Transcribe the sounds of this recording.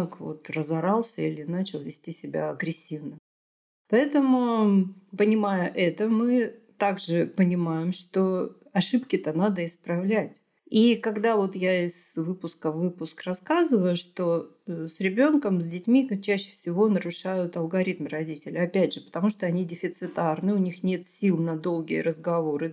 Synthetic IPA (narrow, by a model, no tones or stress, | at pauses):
kvo̰t̪rəzɐɾɑlˠsʲəilʲɪnat͡ɕɪlˠvʲɪsʲtʲisʲɪbʲa̰ɐɡɾʲɪsʲːivnə | pɐɛt̪əmʊ | pənʲɪmajʊʔɛt̪əmɨ | t̪aɡʐɨpənʲɪmajɪmʂt̪o | ɐʂɨpkʲɪt̪ənad̪əɪspɾɐvlʲætʲ | ikɐɡd̪avo̞t̪jaɪz̥vɨpʊskəvɨpʊskrɐskazɨvəjʊʂt̪o̞ | sɾʲɪbʲo̞nkəmzʲdʲɪtʲmʲit͡ɕæɕːɪ̥fsʲɪvo̞nəɾʊʂajʊt̪ɐlˠɡɐɾʲit̪mrɐdʲitʲɪlʲɪɐpʲædʲʐɨpə̥t̪ɐmuʂt̪oɐnʲidʲɪfʲɪt̪sɨt̪arnɨʊnʲixnʲe̞t̪sʲilˠnɐd̪o̞lˠɡʲɪjəɾəzɡɐvo̞ɾɨ